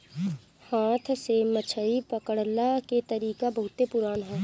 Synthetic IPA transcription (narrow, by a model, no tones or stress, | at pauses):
hãːt̪ʰsemət͡ʃʰəipɐkəɽlaket̪ɐɾiːkabɐɦʊt̪epʊɾaːnɦɛː